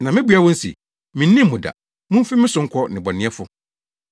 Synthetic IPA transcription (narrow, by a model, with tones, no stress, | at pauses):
nã˨mɪ̃˦bu˨˦a˦wɔ̃˦n̩˦sḭ˨ | mĩ˨nː˦ĩ˦m̩ː˨ʊ̃˨da̰˨ | mũ˦m̩˦fi˦mɪ̃˦sʊ̃˦ŋ̩˦kʰɔ˦nɪ̃˨bɔ˨nɪ̃˨˦ɛ˦fʊ˦